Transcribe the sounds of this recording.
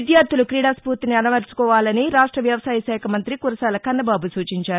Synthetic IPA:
id̪jaːɾt̪ʰːulukɾiːɽaːspuːɾt̪iniɐnɐʋɐɾt͡ʃu̥kɔːʋaːlɐniɾaːʂʈɾɐʋjɐʋɐsaːjɐsɛːjɐkɐmɐnt̪ɾikuɾɐsaːlɐkɐnːɐbaːbusuːt͡ʃiɲt͡ʃaːɾu

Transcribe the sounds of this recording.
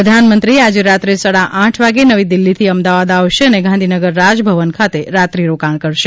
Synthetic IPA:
əd̪ʱanmənt̪ɾiead͡ʒeɾat̪ɾesaɭaʔãʈʰʋaɡenəʋid̪ɪlːit̪ʰiəmd̪aʋad̪aʋʃeəneɡʱãnd̪ʱinəɡəɾːad͡ʒbʱəʋənkʰat̪eɾat̪ɾiɾokaɽ̃kəɽʃe

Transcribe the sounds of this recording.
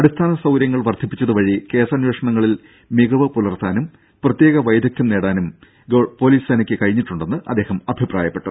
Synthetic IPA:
ɐɽist̪ʰaːnɐsɐwɾjɐŋːɐɭʋɐrt̪ʰipːit͡ɕːɐðuʋɐɻike̞ːsɐnweːʂɐɳɐŋːɐɭil | miɡɐʋɐpulɐrt̪aːnum | prɐt̪je̞ːɣɐʋɐjd̪ʱjɐk̚t̪jɐmne̞ːɽaːnum | ɡopo̞ːliːsɐnɐkʲːɨkɐɻiɲːiʈːuɳɖe̞nːɨʔɐd̪ːe̞ːhɐmɐbʱipra̰ːjɐpːe̞ʈːṵ

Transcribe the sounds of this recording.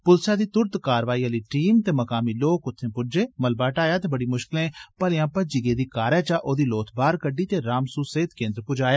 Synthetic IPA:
pʊlsaːd̪iːt̪ʊɾt̪kaːɾʋaːiːəliːʈiːmt̪eːməkaːmiːloːkʊt̪ʰːẽːpʊd͡ʒeːməlbaːʈaːjaːt̪eːbəɽiːmʊʃkɪlẽːpəlɪjãːpəd͡ʒiɡeːd̪iːkaːɾɛːt͡ʃaːʔoːd̪iːloːt̪ʰbaːɾkəɖiːt̪eːɾaːmsuːseːt̪kẽːnd̪ɾpʊd͡ʒaːjaː

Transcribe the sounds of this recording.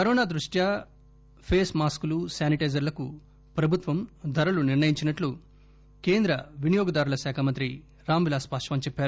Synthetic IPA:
pɐɾoːnaːd̪ɾuʂʈja | pʰeːsmaːskulusaːniʈɐjzɐɾlɐku | pɾɐbʱut̪ʋɐmd̪ʱɐɾɐluniɾnɳɐjiɲt͡ʃinɐʈlu | ke̞ːnd̪ɾɐʋinijoːɡɐd̪aːɾulɐsaːkʰaːmɐnt̪ɾi | ɾaːmʋilaːspaːʂɐʋɐmt͡ʃɛpːaːɾu

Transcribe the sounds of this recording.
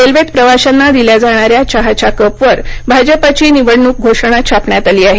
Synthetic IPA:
elʋet̪pɾəʋaɕanːad̪iljad͡zaɽ̃aɾjat͡ɕaɦat͡ɕakəpʋəɾbʱad͡ʑəpat͡ɕiːniʋəɽɳuːkk̚ɡʱoʂɽ̃at͡ɕʰapɳjat̪aliːaɦe

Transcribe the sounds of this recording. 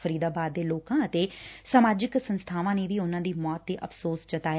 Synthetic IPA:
əɾiːd̪aːbaːd̪ːeːloːkãːət̪eːsəmaːd͡ʒɪksənst̪ʰaːʋãːneːʋiːʊnãːd̪iːmɔːt̪ːeːʔəfʰsoːsd͡ʒət̪aː

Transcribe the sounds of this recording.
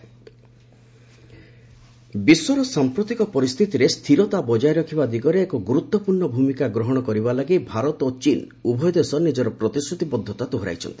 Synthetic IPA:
biswɔɾɔsampɾot̪ikɔpɔɾist̪ʰit̪iɾest̪ʰiɾɔt̪abɔd͡ʒajɾɔkʰibad̪iɡɔɾeːkɔɡuɾut̪ːɔpuɾɳɔbʱumikaɡɾɔɦɔɽ̃ɔkɔɾibalaɡibʱaɾɔt̪ot͡ʃin | ubʱɔjd̪esɔnid͡ʒɔɾɔpɾɔt̪isɾut̪ibɔd̪ʱːɔt̪at̪uɦɾa̰jt͡ʃʰɔ̰nt̪i̥

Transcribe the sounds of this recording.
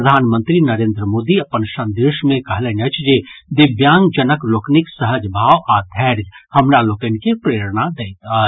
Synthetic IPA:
əd̪ʱaːnmə̃nt̪ɾinəɾeːnd̪ɾəmoːd̪iɐpənsə̃nd̪eːʃmẽkɐɦlɛːnət͡ʃʰd͡ʒed̪ɪbjaːŋɡd͡ʒənəkloːknɪksəɦəd͡ʒbʱaːʋʔaːd̪ʱɛːɾd͡ʒhəmnaloːkənkipɾeːɾnad̪eːt̪a

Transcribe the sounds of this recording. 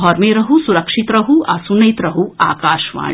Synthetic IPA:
ɔɾmeɾɐɦusuɾɐkʂit̪ɾɐɦuɐ̰sunɐjt̪ɾɐɦua̰ːkaːʃʋa̰ː

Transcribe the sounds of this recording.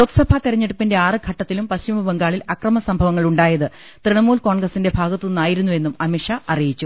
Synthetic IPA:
loːksɐbʱat̪iɾɐɲːeɽupːinde̞aːrɨɡʱɐʈːɐt̪ːilumpɐɕt͡ɕimɐbɐŋɡaːɭilɐkrɐmɐsɐmbʱɐʋɐŋːɐɭuɳɖaːjɐðɨ | t̪riɳɐmuːlko̞ːɳɡrɐsinde̞bʱaːɡɐt̪ːuunːaːjiɾunːue̞nːumɐmiʂɐʔɐrijit͡ɕːu

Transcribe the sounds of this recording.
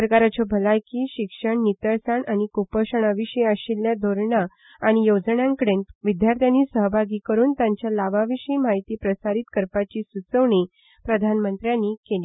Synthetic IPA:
əɾkaɾat͡ɕɔbʱəlajkiːɕikʂəɳnit̪əɾsaɳaɽ̃ikupəɕəɳ̃aʋiɕiəɕilːjad̪ʱoɾɳa | aɽ̃ijod͡zɳjãŋkəɽenʋid̪jaɾt̪ʰjaniːsəɦbʱaɡiːkəɾuːnt̪jaɲt͡ɕjalaʋaʋiɕiːmaɦit̪iːpɾəsaɾit̪kəɾpat͡ɕiːsut͡səʋɳi | pɾəd̪ʱanmənt̪ɾjãnːikeliː

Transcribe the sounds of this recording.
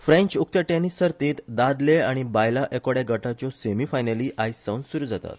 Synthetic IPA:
fɾẽɲt͡ɕuk̚t̪əʈenissːəɾt̪iːt̪d̪ad̪leaɽ̃ibajlaʔekoɽjaɡəʈat͡ɕɔsemiːfajnəliːʔajsawnsuɾuːd͡zat̪a̰t̪

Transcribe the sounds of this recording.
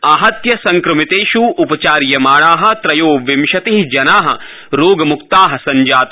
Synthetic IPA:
aːɦɐt̪jɐsɐŋkɾɐmit̪eːʃuupɐt͡ʃaːɾjɐmaːɭaːɦɐ̆t̪ɾɐjoːʋɪmʃɐt̪eɦid͡ʒɐnaːɦɐ̆ | ɾoːɡɐmukt̪aːɦɐ̆sɐɲd͡ʒaːt̪

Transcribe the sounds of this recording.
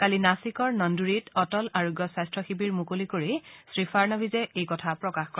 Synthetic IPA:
kalinasikɔɹnɔnduɹitɔtɔlaɹuɡjɔsastɹɔxibiɹmukolikoɹisɹifʰaɹnɔbʱizɛʔejkɔtʰapɹɔkaxkɔ

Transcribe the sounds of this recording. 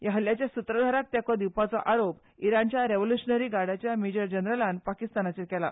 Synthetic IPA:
jəɦəljat͡ɕjasut̪ɾəd̪ʱaɾat̪̚t̪jakɔd̪iwpat͡sɔʔaɾop | iɾant͡ɕjaɾeʋoljuɕənəɾiːɡaɽ̤at͡ɕjamed͡ʑəɾd͡ʑənɾəlãnpakist̪anat͡ɕekɛla̰

